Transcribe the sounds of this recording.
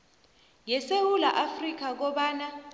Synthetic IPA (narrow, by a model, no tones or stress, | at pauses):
jɛsewulaʔafrik̬ʰak̬ɔɓaːna